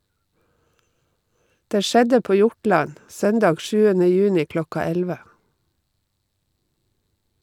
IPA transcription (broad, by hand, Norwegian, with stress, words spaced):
ˈdeː ˈʃɛdə ˈpoː ˈjʊʈɭɑn ˈsœndɑːɡ ˈʃʉːənə ˈjʉːnɪ ˈklɔkɑ ˈɛlʋə